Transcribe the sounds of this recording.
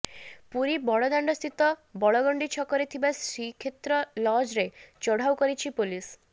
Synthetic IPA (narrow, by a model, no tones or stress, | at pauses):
puɾibɔɭɔd̪aɳɖɔst̪ʰit̪ɔbɔɭɔɡɔɳɖit͡ʃʰɔkɔɾit̪ʰibasɾikʰet̪ɾɔlɔd͡ʒɾet͡ʃɔɽ̤awkɔɾit͡ʃʰipulis